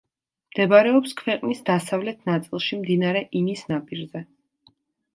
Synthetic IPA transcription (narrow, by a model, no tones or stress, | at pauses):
md̪̥ɛbaɾɛɔpskʰvɛqʼnisd̪asavlɛt̪ʰnat̪sʼilˠʃimd̪inaɾɛʔinisnapʼiɾzɛ